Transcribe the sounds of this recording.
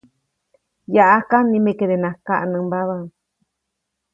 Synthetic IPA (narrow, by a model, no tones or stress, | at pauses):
jaʔakanĩmẽkeɾenãkaʔnɨ̃mbaβa